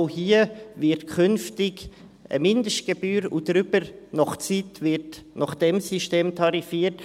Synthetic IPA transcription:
hiəvɪɾtkʰʏnftɪɡ | ə̰mɪndəʃt̚ɡ̥ebyːɾṵdɾʏbəɾnɔχt͡sitvɪtnɑχd̥ɛmsiʃteːmtʰɑɾifiːət

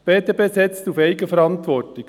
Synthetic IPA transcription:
b̥eːt̪ebeːsɛt͡stufeɪɡəfɛɾɑntʋɔɾtlɪɡ̥

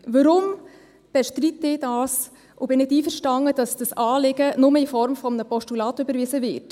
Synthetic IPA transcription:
vəɾʊm | b̥ɛʃtrit̪ːɪdɑːs | ʔʊbɪnɪtiːfəɾʃtɑŋəd̥ɑsd̥ɑsɑːlɪɡ̥ənʊməɪfɔɾmfɔmnəpɔʃtulɑːtøbəɾvisəvɪt

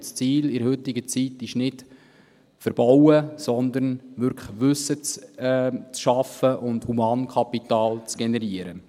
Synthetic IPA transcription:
st͡siːlɪɾəhʏtɪɡət͡sitɪʃnɪt | fəɾb̥awəsɔnd̪əɾnʋʏɾkʰʋɵsːət͡s | t͡sʃɑfəʔʊndhumɑːnkʰɑpit̪ɑːlt͡sɡ̥ɛnɛɾiəɾə

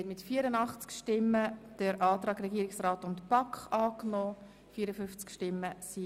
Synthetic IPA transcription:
ɛtmɪtfiːəɾənɑχt͡skʃtɪmːəd̥əɾʔɑːt̪ɾɑːɡɾɛɡiːəɾɪksraːtʊntpɑkχɑːknɔː | fiːəɾəfʏft͡skʃtɪmːəsi

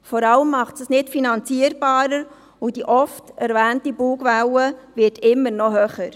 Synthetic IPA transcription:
fɔɾɑləmːɑχtsəsnɪtfinɑnt͡siəɾb̥ɑːɾəɾ | ʊd̥iʔɔftɛɾvæːntibuːɡvæwəvɪtɪmːəɾnɔɦøχəɾ

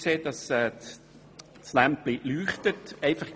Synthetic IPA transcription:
seːd̥ɑsɛː | slæmp̚b̥lilyːχt̪ətɛɪfɑχ

